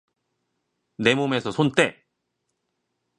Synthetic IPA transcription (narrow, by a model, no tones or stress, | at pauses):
ne̞mome̞sʰʌsʰont͈e̞